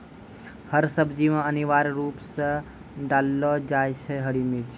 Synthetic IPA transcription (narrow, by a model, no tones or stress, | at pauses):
həɾsəbd͡ʒimãəniʋaɾɾupsə̃ | ɖalːɔd͡ʒajt͡ʃʰeɦəɽimiɾt͡ʃʰi